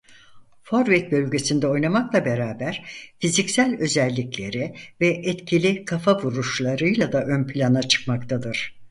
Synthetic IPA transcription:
foɾvɛt̪̚bø̞lʲɟe̞sind̪ɛo̞jnamaklˠabe̞ɾaːbæɾ̥fizicsælʲø̞zɛlʲːiclʲe̞ɾivɛʔɛt̪cʰilʲikʰafavuɾuʃlˠaɾɯjlˠad̪aʔønpʰilʲanat͡ʃʰɯ̥kmakt̪ʰad̪ɯɾ̥

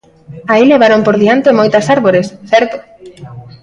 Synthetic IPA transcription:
aileβ̞aɾompoɾðiant̪emojt̪ɐsaɾβoɾesθɛɾt̪o

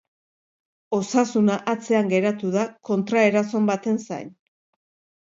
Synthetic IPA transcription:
o̞sasunaʔat͡se̞aŋɡe̞ɾat̪uðako̞nt̪ɾae̞ɾaso̞mbat̪e̞nsa̰jn

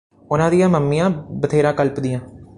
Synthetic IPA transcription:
ʊnãːd̪ɪjãːməmːijãːbət̪ʰeːɾãːkəlpd̪ɪjãː

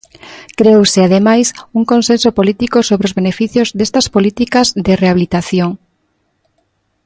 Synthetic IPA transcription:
kɾeewsɪaðemajsuŋkõnsẽnsopolit̪ikosoβɾeozβenefiθjozðest̪ɐspolit̪ikɐzðɪreaβilit̪aθjoŋ

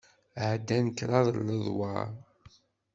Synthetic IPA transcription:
ʕd̪ːænəkɾˤɑðˤlːəðˤwɑ̰ɾ

